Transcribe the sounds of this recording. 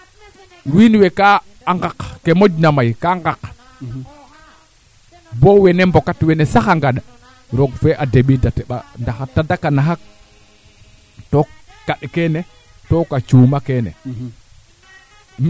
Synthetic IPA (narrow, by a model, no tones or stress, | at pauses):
winwɛkaː | ŋɡakkɛmod͡ʒnamajkaŋɡak | bɔwɛnɛmbɔkatwɛnɛsaxaŋɡaɗa | ɾɔɡfɛʔadeɓidatɛɓa̰ndaxatːadakanaɦak̚ | tɔkaɗkɛnɛ | tɔkat͡ʃuːmakɛnɛ̰